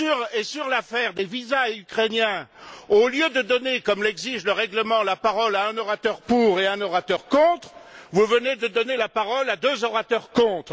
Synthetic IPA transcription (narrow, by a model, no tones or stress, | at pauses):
syʁesyʁlafɛʁd̪evizaykχenjɛ̃oljød̪əd̪ɔnekɔmlɛɡziʒləʁɛɡləmɑ̃lapaʁɔlaɛ̃nɔʁat̪œʁpuʁeɛ̃nɔʁat̪œʁkɔ̃t̪χvuvəned̪əd̪ɔnelapaʁɔlad̪øzɔʁat̪œʁkɔ̃t̪χ